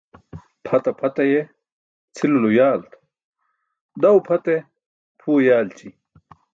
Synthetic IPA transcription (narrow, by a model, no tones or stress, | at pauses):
pʰɐt̪ɐpʰɐt̪ɐje | t͡sʰilulujaːlt̪ | d̪ɐwpʰɐt̪e | pʰuːjaːlt͡ɕi